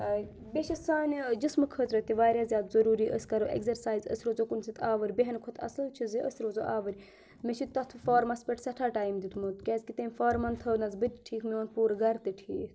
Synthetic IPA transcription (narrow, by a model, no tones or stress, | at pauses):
bʲeʃɐsaːnd͡ʒismɨkʰət̪ɾɐt̪iʋaːɾʲjaːzʲjaːd̪zɐɾuːɾiːʔəsʲkɐɾoʔḛkzɐɾsaːjzə̰sɾoːzokunsit̪ʰaːʋəɾʲbeɦɐnkʰot̪ʰɐ̰sɨlt͡ʃʰiziʔə̰sɾoːzoʔaːʋəɾʲ | meʃʰit̪ɐt̪ʰfaːɾmɐspʲeʈsɐʈʰaːʈaːjmd̪it̪mut̪kʲeːzʲkit̪emʲfaːɾmɐnt̪ʰɐːnɐzbɨt̪ʲʈʰiːkʰmioːnpuːɾɡɐɾt̪ɨʈʰiːkʰ